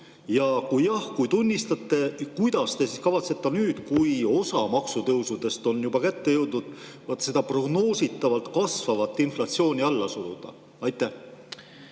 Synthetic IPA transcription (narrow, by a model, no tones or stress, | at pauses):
jɑkujjɑhkujt̪unʲːist̪ɑt̪ˑːe̞kujd̪̥ɑst̪e̞siskɑvɑt̪se̞t̪ːˑenyːd̪̥kujo̞sɑmɑksut̪ɤwsud̪̥e̞st̪o̞njub̥ɑkæt̪ːe̞jɤwd̪nud̪̥ | vɑt̪ːse̞d̪ɑpro̞ɡno̞ːsit̪ːˑɑvɑlt̪kɑsvɑvɑt̪ːˑinflɑt̪sio̞ːnʲiɑlːɑsulṵd̪̥ɑ̰ | ɑjt̪ːˑæh